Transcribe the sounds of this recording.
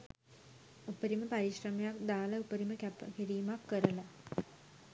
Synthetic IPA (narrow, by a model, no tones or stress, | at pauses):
upəɾiməpaɾiʃrəmejakd̪aːləupəɾiməkæpəkiɾiːmakːəɾəla